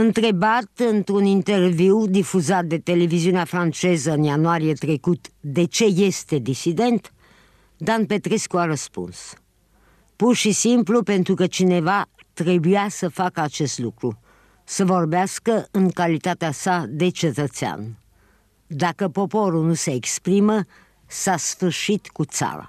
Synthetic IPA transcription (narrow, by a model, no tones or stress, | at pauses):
ɨnt̪ɾe̞bat̪ɨnt̪ɾunint̪e̞rviwd̪ifuzat̪̚d̪e̞t̪e̞le̞viziuneafɾant͡ʃe̞zəɨnjanuaɾijet̪ɾe̞kut̪d̪e̞t͡ʃe̞je̞st̪e̞d̪isid̪e̞nt̪ | d̪anpe̞t̪ɾeskuaɾəspṵns | purʃisimplupe̞nt̪ɾukət͡ʃine̞va | t̪ɾe̞bujasəfakəat͡ʃe̞st̪lukɾu | səvo̞rbeaskəɨŋkalit̪at̪easad̪e̞t͡ʃe̞t̪ət̪sea̰n | d̪akəpo̞po̞ɾulnuseːkspɾimə | sasfɨrʃit̪kut̪sa̰ɾa̰